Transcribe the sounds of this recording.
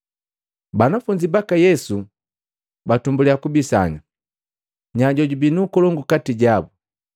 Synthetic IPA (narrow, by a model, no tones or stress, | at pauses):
banafuɲd͡ʒibakajɛsu | batumbuliakubisa̰ɲa | ɲaɟɔɟubinukɔlɔŋɡukatiɟabu